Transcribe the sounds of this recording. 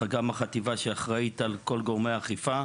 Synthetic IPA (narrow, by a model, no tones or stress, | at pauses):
aɡamaχat̪ivaʃeaχʁaitalko̞lɡoʁmeaχifa